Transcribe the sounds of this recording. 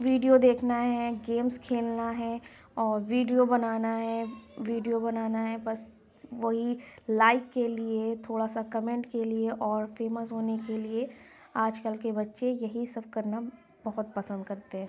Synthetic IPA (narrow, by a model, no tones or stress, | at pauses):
ʋiːɖijod̪eːkʰnaɦɛɡeːmskʰeːlnaɦɛ | ɔːɾʋiːɖijobɐnaːnaɦɛʋiːɖijobɐnaːnaɦɛbɐs | ʋɐɦilaːɪkːeliet̪ʰoːɽasakɐmẽɳʈkelieʔɔːɾfeːməsɦoːnekelie | aːd͡ʒkəlkebɐtːʃejɐɦisɐb̚kɐɾna | bɐɦʊt̪̚pɐsə̃nd̪̚kɐɾt̪eɦɛ̃ː